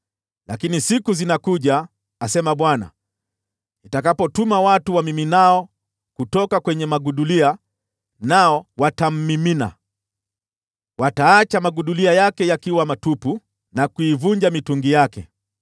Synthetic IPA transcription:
lakinisikuzinakuʄaː | sɛmaɓwana̰ | itakapɔtumawatuwamiminaɔ | kutɔkakwɛɲɛmaɡuɗulia | naɔwatam̩ːimina̰ | wataːt͡ʃamaɠuɗuliajakɛjakiwamatupu | nakuivuɲd͡ʒamituŋɡijakɛ

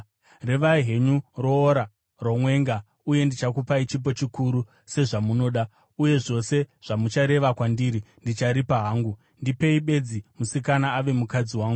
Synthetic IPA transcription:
re̞ʋaɦe̞ɲuroːɾa | ro̞mwe̞ŋɡa | uje̞ndit͡ʃakupait͡ʃip̬o̞t͡ʃikuɾu | se̞ʐamuno̞ːɗa | uje̞ʐo̞se̞ʐ̥amut͡ʃaɾe̞ʋakwandiɾindit͡ʃaɾipaɦaːŋɡu | ndipe̞iɓe̞d͡zimusikanaːʋe̞mukad͡ziwaːŋɡu

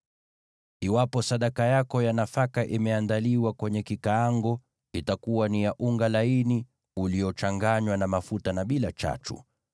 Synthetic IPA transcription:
iwapɔsaɗakajakɔjanafakaʔimɛandaliwakwɛɲɛkikaːŋɡɔ | itakuwanijaʔuŋɡalaini | uliɔt͡ʃaŋɡaɲwanamafutanaɓilat͡ʃa̰tṵ

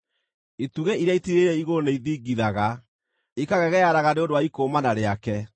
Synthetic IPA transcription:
ituɣeiɾjaitiɾeɾɛiɣoneiðiɡiðaɣa | ikaɣɛɣɛjaɾaɣaneondoaikoːmanaɾeakɛ

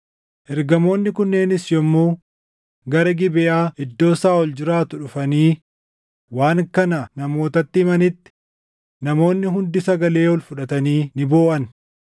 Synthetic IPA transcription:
ʔɛɾɡɐmo̞ːnːɪkʊnːe̞ːnɪsjɔmːuː | ɡɐɾɐɡɪbɪʔaːʔɪd̪ːo̞ːsaːwɔld͡ʒɪɾaːt̪ʊᶑʊfɐniː | waːŋkɐnɐnɐmo̞ːt̪ɐt̪ːɪɪmɐnɪt̪ːɪ̥ | nɐmo̞ːnːɪɦʊnd̪ɪsɐɡɐle̞ːwɔlfʊᶑɐt̪ɐniːnɪboːʔɐn

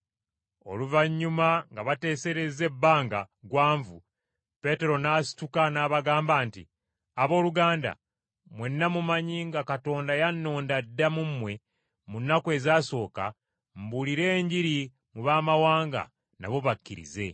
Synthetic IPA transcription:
o̞̰luvaɲːumaŋɡaβate̞ːse̞ɾeze̞bːaːŋɡa | ɡwaːɱvu | pe̞te̞ɾo̞naːsi̥tukanaːβaɡaːmbaːntḭ | aβo̞ːluɡaːnda̰ | mwe̞nːamumaɲiŋɡakato̞ːndajanːo̞ːndadːamumːwe̞ | munːakwe̞ːzaːso̞ːka̰ | mbuliɾe̞ːɲɟiɾi | muβaːmawaːŋɡa̰ | na̰βo̞βakːiɾḭze̞

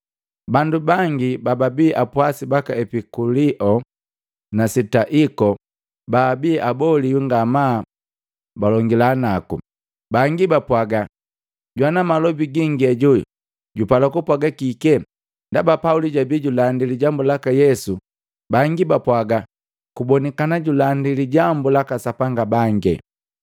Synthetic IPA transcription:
bandubaŋɡibababiʔapwasibakaɛpikuliʔɔ | nasitaʔikɔ | baːbiɛʔabɔlijuŋɡama | balɔŋɡilanakṵ | baŋɡibapwaɡa | ɟwanamalɔbiɡiŋɡɛɟṵ | ɟupalakupwaɡakikɛ | ndabapauliɟabiɟulandiliɟambulakajɛsu | baŋɡibapwaɡa | kubɔnɛkanaɟulandiliɟambulakasapaŋɡabaŋɡɛ̰

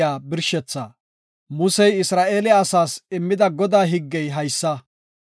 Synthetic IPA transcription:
aːbɪɾʃɛt͡sːaː | mʊsɛjɪsɾaːʔeːlɛɐsaːsɪmːɪd̪ɐɡɔd̪aːɦɪɡːɛjɦɐjsːɐ

